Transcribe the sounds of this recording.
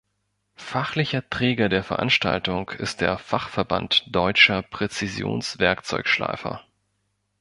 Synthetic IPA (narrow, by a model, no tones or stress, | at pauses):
faχlɪçɐtʁ̥ɛːɡɐdeːɐfɛɐʔa̰nʃta̰ltʊŋkʰɪ̰st̚d̥ḛːɐfaχfɛɐba̰ntd̥ɔʏt͡ʃɐpʁ̥ɛt͡sizjo̰ːnsv̥ɛɐkt͡sɔʏkʃla̰ɪfɐ̰